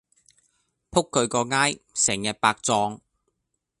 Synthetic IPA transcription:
pʰʊ˥kʰːɵ˨˧ɥkɔː˧ŋaː˥jsɛː˨˩ŋjɐ˨˧t̚paː˧k̚t͡sɔː˧ŋ

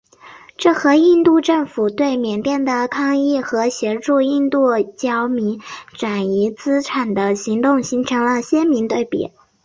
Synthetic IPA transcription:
ʈ͡ʂɤ˥˩xɤ˧˥i˥˧nt̪u˥˧ʈ͡ʂɤ˥˩ŋfu˨˩t̪we˥˩ɪmjɛ˨˩nt̪jɛ˥˩nd̪ə˩kʰɑ˥˧ŋi˥˩xɤ˧˥ɕjɛ˧˥ʈ͡ʂu˥˧i˥˧nt̪u˥˩t͡ɕjɑ˥ʊmi˧˥ŋʈ͡ʂa˨˩ni˧˥t͡sɹ̩˥ʈ͡ʂʰa˨˩nd̪ə˦ɕi˧˥ŋt̪ʊ˥˩ŋɕi˧˥ŋʈ͡ʂʰɤ˧˥ŋlə˧ɕjɛ˥nmi˧˥ŋt̪we˥˩ɪpjɛ̰˨˩˦

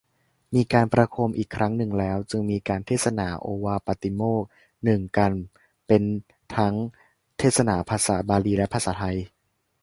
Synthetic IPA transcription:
miː˧kaː˧npɾa˧kʰu˧mʔiː˨˩kʰɾa˦˥ŋnɯ˨˩ŋlɛː˦˥wt͡ɕɯ˧ŋmiː˧kaː˧nt̪ʰeː˥˩t̪̚sa˧naː˩˦ʔoː˧waː˧pa˧˩t̪i˧moː˥˩k̚ | nɯ˨˩ŋka˧n | pe˧n | t̪ʰa˦˥ŋ | t̪ʰeː˥˩t̪̚sa˧na̰ː˩˦pʰaː˧sa̰ː˩˦baː˧liː˧lɛ˦˥pʰaː˧saː˩˦t̪ʰa˧j

